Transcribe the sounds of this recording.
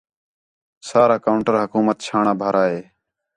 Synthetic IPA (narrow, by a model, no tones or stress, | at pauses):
saːɾaːkaʊɳʈəɾɦəkuːmət̪̚t͡ʃʰaːɳaːbʱaːɾaːɦeː